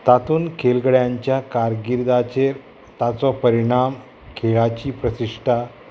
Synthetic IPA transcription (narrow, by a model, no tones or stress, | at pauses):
t̪at̪uːnkʰelɡɽjaɲt͡ɕjakaɾɡiɾd̪at͡ɕeɾ | t̪at͡sɔpəɾiɳ̃am | kʰeɭat͡ɕiːpɾəsiʂʈʰa